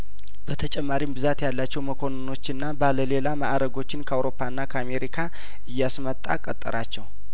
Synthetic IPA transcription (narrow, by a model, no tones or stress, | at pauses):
b̥ət̪ʰət͡ʃʼɛmːaɾimbɨzat̪jalːat͡ʃːɛwməkʰo̞nno̞t͡ʃːɨnːabaləle̞lamaʔɾəɡo̞t͡ʃːɪnkʰəawɾo̞pːaɨnːakʰəame̞ɾikʰa | ʔɨjːasmət̪ʼːa̰kʼət̪ʼːə̰ɾat͡ʃːɛw